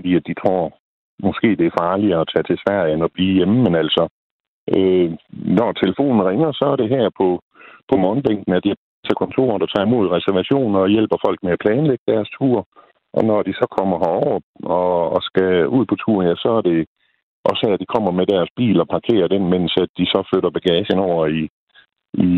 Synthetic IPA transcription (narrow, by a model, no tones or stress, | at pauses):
fɒd̥ḭːæd̥it͡sʰʁo̝ɐ̰ | mɒ̽sɡ̥e̝̰ːd̥e̝æɐfɑ̈ːliɐɒt͡sʰɛ̰ːt͡sʰe̝sʋæɐ̰enɒ̽b̥liːjeməmenæl̰sɒ̽ | ʔønɒt͡sʰe̝ləfo̝̰ːnn̩ʁeŋɐsɒ̽æɐɾ̥e̝ɦæɐ̰pʰɒ̽ | pʰɒ̽mɔːnb̥eŋ̰ɡ̥n̩æɐd̥i | t͡sʰekʰɒ̽nt͡sʰo̝̰ːɐnd̥ɑ̈t͡sʰɑ̰̈ːimo̝ð̞̰ˠʁɛsæɐʋæɕo̝̰ːnɐːjel̰b̥ɐfɒ̽l̰ɡ̥meæpʰlɛːnleɡ̥əd̥æɐst͡sʰṵːɐ̰ | ʔɒ̽nɒd̥isɒ̽kʰɒ̽m̰ɐɦɑɒʊ̰ɐɒ̽ːsɡ̥æuð̰ˠpʰɒ̽t͡sʰṵːɐnjæsɒ̽æɐɾ̥e̝ | ʔɒ̽shæɐ̰d̥ikʰɒ̽m̰ɐmed̥æɐsb̥ḭːlɒ̽pʰɑ̈kʰe̝̰ːɐd̥enmen̰sæd̥isɒ̽føɾ̥ɐb̥æɡ̥ɛːɕənɒʊ̰ɐi | i